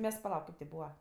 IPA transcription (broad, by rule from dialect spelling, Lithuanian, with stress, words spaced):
ˈmʲɛs pɐˈlˠɐʊk ˈkɐɪp tʲɪ ˈbuːʋɐ